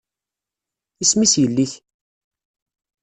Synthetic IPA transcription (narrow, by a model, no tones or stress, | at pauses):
ismisjəlːiθ